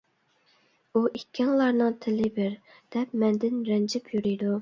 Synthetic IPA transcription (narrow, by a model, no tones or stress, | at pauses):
uʔikʲʰːɛŋlˠɑɾnɨŋt̪ʰɪlɪbɪɾ | d̪̥ɛp̚mɛnd̪ɪnɾɛnd͡ʒɪpʰjyɾyjd̪u